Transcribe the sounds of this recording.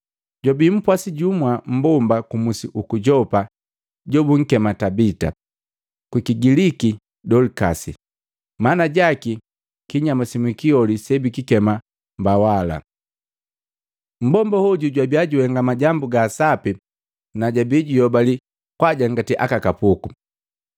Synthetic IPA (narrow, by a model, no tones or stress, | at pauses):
ɟɔbim̩pwasiɟumwam̩bɔmbakumusiʔukuɟɔpa | ɟɔbuŋ̩kɛmatabita̰ | kwikiɡiliki | dɔlikasḭ | manaɟaki | kiɲamasimwikiɔlisɛbikikɛma | mbawala̰ | m̩bɔmbahɔɟuɟwabiaɟuhɛŋɡamaɟambuɡasapi | naɟabiɟijɔbali | kwaɟaŋɡatiʔakakapuku